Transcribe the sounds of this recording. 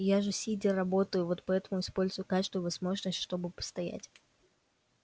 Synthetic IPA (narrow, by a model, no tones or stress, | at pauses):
jaʐɨsʲidʲɪrɐbo̞t̪əjʊvo̞t̪pɐɛt̪əmʊɪspo̞lʲzʊjʊkat͡ɕɪst̪vʊʊvɐzmo̞ʐnəsʲtʲʂt̪o̞bɨpə̥st̪ɐjæ̰tʲ